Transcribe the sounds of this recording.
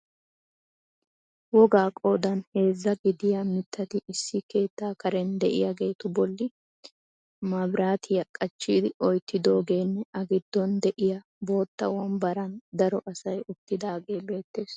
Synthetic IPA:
wɔɡaːkʼo̞ːd̪ɐnhe̞ːzːɐɡɪd̪ɪjɐmɪt̪ʰːɐt̪ɪɪsːɪke̞ːt̪ːaːkɐɾɛnd̪ɛʔɪ̰jaɡe̞ːt̪ʊbɔlːɪ | mɐbɾaːt̪ʰɪjɐkʼɐt͡ʃːiːd̪ɪɔjt̪ːɪd̪o̞ːɡe̞ːnːɛɐɡɪd̪ːɔnd̪ɛʔɪjɐ | bo̞ːt̪ːɐ̰wɐnbɐɾɐnd̪ɐɾɔʔɐsɐjʊt̪ːɪd̪aːɡe̞ːbe̞ːt̪ːe̞ːs

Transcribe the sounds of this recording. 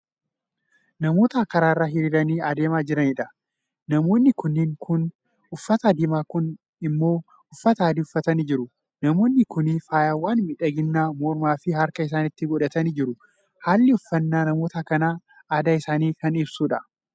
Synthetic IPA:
nɐmo̞ːt̪ɐkɐɾaːrːaːɦɪɾiːɾɐniːɐd̪eːmaːd͡ʒɪɾɐniːᶑɐ | nɐmo̞ːnːɪkʊnːɪŋkʰʊn | ʊfːɐt̪ɐd̪ɪːmaːkʊn | ɪmːo̞ː | ʊfːɐt̪ɐaːd̪iʊfːɐt̪ɐniːd͡ʒɪɾʊ | nɐmo̞ːnːɪkʊnifaːjaːwaːnmɪᶑɐɡɪnːaːmɔɾmaːfɪɦɐɾkɐɪs̬aːnɪt̪ːɪɡɔᶑɐt̪ɐniːd͡ʒɪɾʊ | haːlːɪʊfːɐnːaːnɐmo̞ːt̪ɐkɐnaː | d̪aːɪsaːniːkɐnɪbsuːᶑɐ

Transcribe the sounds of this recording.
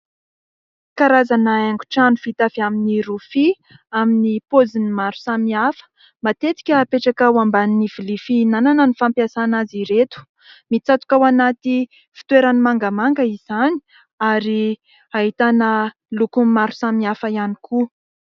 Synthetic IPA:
kaɾazanaeŋɡu̥ʈ͡ʂanufit̪aviaminiɾufi | aminipozinimaɾu̥samiafə̥ | mat̪et͡s̪i̥kʲəpeʈ͡ʂakawambanniv̥ilifinananənifampjasanaziɾet̪u̥ | mit͡sat̪u̥kawanat̪i | fi̥t̪weɾanimaŋɡamaŋɡəiz̥ani̥ | aɾi | aɦit̪anə | lukumaɾu̥samiafəianikʰu

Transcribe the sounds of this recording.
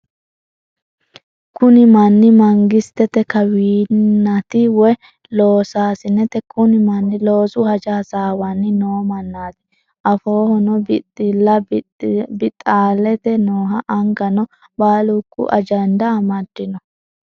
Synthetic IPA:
kʊnɪmɐnːɪmɐŋɡɪst̪ɛt̪ɛkɐwiːnnːɐt̪ɪwɛ | lo̞ːsaːsɪnːɛt̪ɛkʰʊnɪmɐnːɪlo̞ːsʊhɐd͡ʒaːsaːwɐnːɪnoːmɐnːaːd̪ɪ̥ | ʔɐfoːhɔnɔɪlːɐ | bɪt̪ʼːaːlɛt̪ɛnoːɦɐʔɐŋɡɐnɔ | baːlukːʊ̰ʔɐ̰d͡ʒɐnd̪ɐɐmɐd̪ːɪnɔ

